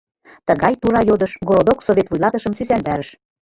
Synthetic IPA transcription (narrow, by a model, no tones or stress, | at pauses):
t̪əɣɑjt̪uɾɑjod̪ɤʃɡoɾod̪oksoβʲet̪vujlˠɑt̪ɤʃə̆msysænd̪æɾə̆ʃ